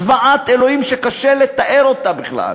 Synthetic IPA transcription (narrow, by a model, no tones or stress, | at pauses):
vaat̪elo̞himʃekaʃelet̪aʔeɾo̞t̪abiχla̰l